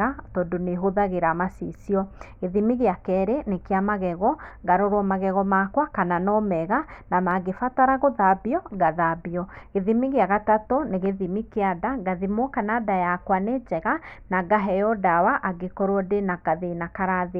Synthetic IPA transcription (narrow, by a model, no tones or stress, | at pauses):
atɔdoneɦoðaɣeɾamasisiɔeðimiɣeakɛɾenekeamaɣɛɣɔɡaɾoɾɔmaɣɛɣɔmakwakananɔmɛɣanamaɡefataɾaɣoðabiɔɡaðabiɔeðimiɣeaɣatatoneɣeðimikeadaɡaðimɔkanadajakwaned͡ʒɛɣanaɡaɦɛjɔdawaʔaɡekɔɾwɔdenakaðenakaɾaðe